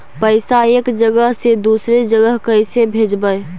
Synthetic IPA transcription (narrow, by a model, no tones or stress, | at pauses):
pəɪsaeːkd͡ʒəɡəɦsed̪uːsɾed͡ʒəɡəɦkəɪsebʱed͡ʒbəj